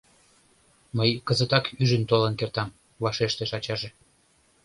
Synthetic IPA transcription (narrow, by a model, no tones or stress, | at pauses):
məjkəzət̪ɑkyʒənt̪olənkert̪ɑm | vɑʃeʃt̪eʃɑt͡ɕɑʒe